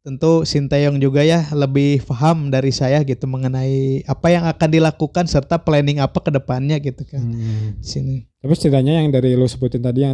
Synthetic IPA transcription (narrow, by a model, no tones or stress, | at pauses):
t̪ənt̪usint̪ajɔŋd͡ʒuɡajahləbɪhfaɦamdaɾisajahɡit̪uməŋənaiapajaŋakandilakukansərt̪aplɛnɪŋapakədəpanɲaɡit̪ukaisinit̪apisə̥t̪iɾaɲajaŋdaɾilusəbut̪ɪnt̪adija